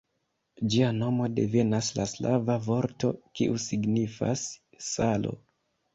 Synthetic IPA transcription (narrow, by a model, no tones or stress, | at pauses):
d͡ʒiano̞mo̞de̞ve̞naslasla̰vavo̞ɾto̞kiʔusiɡnifa̰sː | alo̞̰